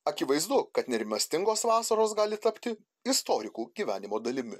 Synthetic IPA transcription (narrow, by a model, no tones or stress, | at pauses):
ɐkʲɪʋɐɪzd̪ʊkɐt̪nʲɛɾʲɪmʲɐsʲt̪ʲɪŋɡoːsʋɑːsɐɾoːs̬ɡɑːlʲɪt̪ɐpʲt̪ʲɪ | ɪst̪oːɾʲɪkuːɡʲiːʋʲæ̰ːnʲɪmoːd̪ɐlʲɪmʲɪ